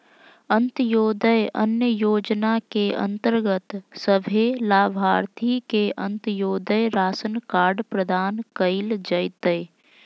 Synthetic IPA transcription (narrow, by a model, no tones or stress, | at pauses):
ə̃nt̪joːd̪əjə̰njəjoːd͡ʒnakeə̰̃nt̪əɾɡət̪səbʱelaːbʱaːɾt̪ʰikeʔə̃nt̪joːd̪əjɾaːsənkaːɾɖpɾəd̪ʱaːnkəɪld͡ʒəjt̪əj